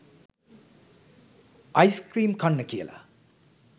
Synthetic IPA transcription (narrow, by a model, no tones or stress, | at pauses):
ajskɾimkʰʌnːɐkʰijḛla̰